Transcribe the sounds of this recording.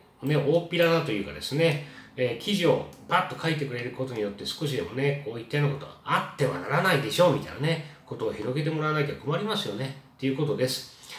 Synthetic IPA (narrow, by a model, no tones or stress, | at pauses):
mone̞oːpʲiɾad̪at̪o̞jɯ̟ːka̰d̪e̞sɨne̞ːkʲiʑio̞pat̪ːo̞kʰait̪e̞kɯ̟ɾe̞ɾɯ̟ko̞t̪o̞ɲ̟ijo̞t̪ːe̞sɨ̥ko̞ɕ̬id̪e̞̰mo̞ne̞koːit̪ːenoko̞t̪o̞βa̰at̪ːe̞βa̰na̰ɾanaid̪e̞ɕo̞ːmʲit̪a̰j̰na̰neko̞t̪o̞ːçiɾo̞ɡe̞t̪̬e̞mo̞ɾaanait̪eḁko̞maɾʲimasɨjo̞ne̞t̪ːe̞iɯ̟ko̞t̪od̪e̞sɨ̥